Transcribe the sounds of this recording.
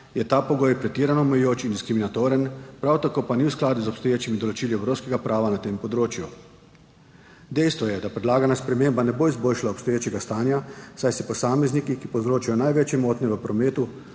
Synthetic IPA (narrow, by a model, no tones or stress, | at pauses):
jɛt̪aːpɔɡoːjpɾɛt̪iːɾanɔmɛjjoːt͡ʃind̪iskɾiminat̪oːɾənpɾawt̪akoːpaniwsklaːd̪uzɔpst̪ɔjeːt͡ʃimid̪ɔlɔt͡ʃiːliɛwɾoːwskɛɡapɾʔaːʋanat̪eːmpɔd̪ɾoːt͡ʃju | d̪ɛjst̪ʋɔjɛd̪apɾɛd̪laːɡanaspɾɛmeːmbanɛboːizboːlʃlaɔpst̪ɔjeːt͡ʃɛɡast̪aːnjasajsɛpɔsaːmɛznikikipɔwzɾoːt͡ʃajɔnajʋeːt͡ʃjɛmoːt̪nɛʋəpɾɔmeːt̪u